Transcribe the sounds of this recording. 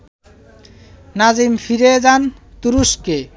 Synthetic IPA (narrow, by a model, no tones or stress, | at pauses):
nazimfiɾed͡ʑant̪uɾuske